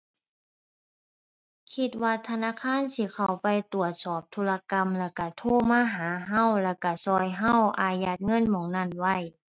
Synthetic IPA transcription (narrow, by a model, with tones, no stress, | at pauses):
kʰi˧t̪̚waː˧t̪ʰa˧naː˧˨kʰaː˧˥˨nsiː˧˦kʰa˧˩wpa˧jt̪u˨˩ət̪̚sɔː˨˩p̚t̪ʰuː˧˥la˧ka˧˥mlɛː˧˩wka˧˩t̪ʰoː˧˥˨maː˧˥˨ɦaː˨˦ɦa˧˥˩wlɛː˧˩wka˧˩sɔː˧jɦa˧˥˨wʔaː˧ja˧t̪̚ŋɤ˧˥˨nmɔː˨˩ŋna˧˥˨nwa˧˩˨j